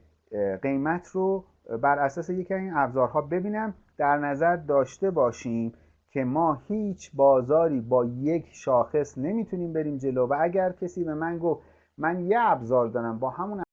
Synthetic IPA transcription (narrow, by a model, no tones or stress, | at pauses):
ɢe̞jmæt̪ʰro | bæɾæsɒːsejecʰiæziːnæbzɒːɾɦɒːbe̞biːnæm | d̪̥æɾnæzæɾd̪ɒːʃt̪e̞bɒːʃiːm | cʲʰe̞mɒːhiːt͡ʃʰbɒːzɒːɾiːbɒːje̞kʰʃɒːxe̞sne̞miːt̪ʰuniːmbe̞ɾiːmd͡ʒe̞lovææɟæɾcʰe̞siːbe̞mænɡoft̪ | mænjeæbzɒːɾd̪ɒːɾæmbɒːhæmun